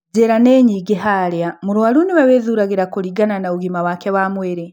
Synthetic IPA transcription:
ɟeɾaneɲiɡeɦaɾjamuɾwaluniβaβeːðuɾaɡiɾakoɾiɡananaβuɡimawakeβamweɾe

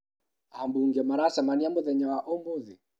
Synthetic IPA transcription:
ambuŋɡɛmaɾasamaniambɔðɛɲawaʔɔmboði

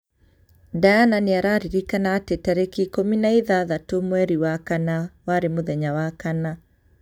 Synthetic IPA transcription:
dajananeaɾaɾiɾikanaːtɛtaɾekikominaiðaðatomwɛɾiwakanawaɾemoðɛɲawakana

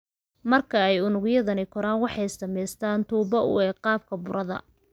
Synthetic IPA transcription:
mɐrkʰɐɛjʊnʊɣjɐðɐnɪkʰɔɾaːnwɑħɑjɪsd̪ɐmɛjst̪ʰaːnt̪ʰuːbɐʊ̰ɛːqɑːb̚kʰɐbʊɾʔɐðɐ̰

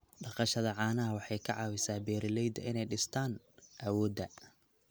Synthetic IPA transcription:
ɖɑqɑʃɐðɐʕɑːnɐɦɐwɑħɑjkʰɐʕɑːwɪsaːbɛːɾɪlɛjd̪ɐ̰ʔɪnɛjɖɪst̪ʰaːn | ʔɐwɔːd̪ɐ

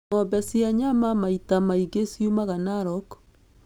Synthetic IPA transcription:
ɔbɛsiaɲamamaitamaiɡesjumaɣanaɾɔk

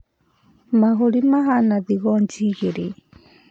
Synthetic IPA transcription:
maɣoɾimaɦanaðiɣɔnd͡ʒiɣeɾe

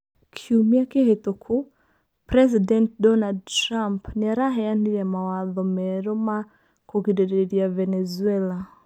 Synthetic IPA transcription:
kʰiumiakehetokʰu | pɾɛzidɛnt̚dɔnaldtɾampniaɾaɦɛjandiɾjamawaðɔmɛɾɔma | kɔkidɛɾɛɾiavɛnɛzuɛla

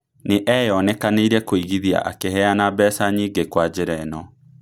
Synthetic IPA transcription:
neʔɛjɔnɛkaneiɾɛkoiɣiðia̰ʔa̰keɦɛanabɛːsaɲiːɡekwad͡ʑeɾɛnɔ

